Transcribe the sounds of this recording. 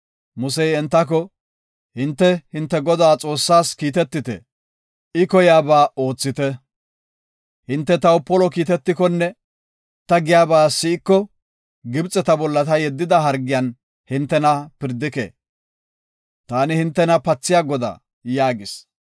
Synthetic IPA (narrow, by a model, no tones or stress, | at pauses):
mʊsɛjɛnt̪ːɐk̬ɔ | hɪnt̪ːɛhɪnt̪ːɛɡɔd̪aːt͡sʼo̞ːsːaːskiːt̪ɛt̪ːɪt̪ɛ̰ | ɪkɔjaːbaːo̞ːt͡sːɪt̪ɛ | hɪnt̪ːɛt̪ɐwʊpːɔlɔkiːt̪ɛt̪ːɪkɔnːɛ | t̪ɐɡɪjaːbaːsɪɪkːɔ | ɡɪbt͡sʼɛt̪ɐbɔlːɐt̪ɐjɛd̪ːɪd̪ɐɦɐɾɡɪjan | hɪnt̪ːɛnɐpɪɾd̪ːɪkḛː | t̪aːnɪhɪnt̪ːɛnɐpɐt͡sːɪjaːɡɔd̪a̰ː | jaːɡɪs